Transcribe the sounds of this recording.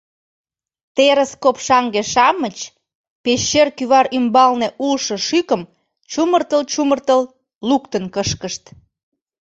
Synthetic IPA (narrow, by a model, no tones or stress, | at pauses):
t̪eɾəskopʃɑŋɡeʃɑmət͡ɕ | peʃːerkyβɑɾymbɑlneʔulʃɤ̆ʃykəm | t͡ɕumərt̪əlt͡ɕumərt̪əl | lukt̪ənkəʃkəʃt̪